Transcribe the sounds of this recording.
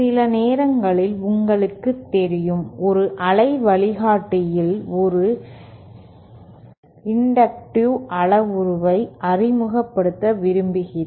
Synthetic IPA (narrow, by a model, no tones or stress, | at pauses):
ɪlɐneːɾɐŋɡɐɭɪlʊŋɡɐɭɯkːɯt̪ːɛɾɪjɯmɔɾɯʔɐlɐɪʋɐɭɪɣaːʈːɪjɪlɔɾɯ | ɪɳɖɐk̚ʈuʔɐɭɐʋʊɾɯʋɐɪʔɐrɪmɯɣɐpːɐɽɯt̪ːɐʋɪɾɯmbɪɣɪ